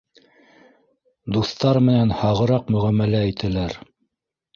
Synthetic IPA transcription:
d̪uθt̪ɑɾmɘ̆nænhɑʁɤ̆ɾɑqmɵ̆ʁæmːælæit̪ʰɘ̆læɾ

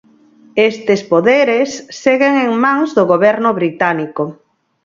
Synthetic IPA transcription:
est̪espoðeɾesːeɣeŋeŋmãŋzðʊɣoβɛɾnʊβɾit̪aniko

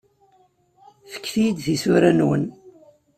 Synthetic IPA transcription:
fə̥kːθid̪θisuɾænwə̰n

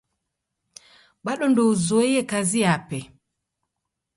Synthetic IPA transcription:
ɓaɗɔndɔzɔijɛkaziapɛ

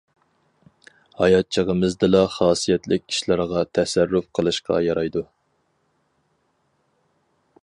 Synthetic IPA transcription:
hɑjɑt̪̚t͡ʃʰəʁəmɨzd̪ɨlɑχɑːsijɛt̪lɪk̚ʲʰːi̥ʃlˠɑɾʁɑt̪ʰɛsæɾːufqʰəlˠɨʃqʰɑ̰jɑɾɑjd̪u

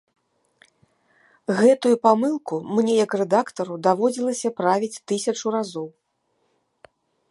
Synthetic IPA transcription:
ɣɛt̪ujupamɨlˠkumnʲɛjɐkrɛd̪akt̪ɐɾud̪avɔd͡zʲilˠɐsʲɐpɾavʲit͡sʲt̪ɨsʲɐt͡ʂuɾazɔw

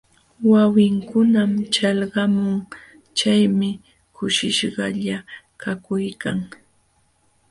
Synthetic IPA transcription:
wawɪŋkʊnamt͡ʃalɢɑmʊŋ | t͡ʃajmɪ | kʊʃɪʃɢɑʎa | kakʊjkaŋ

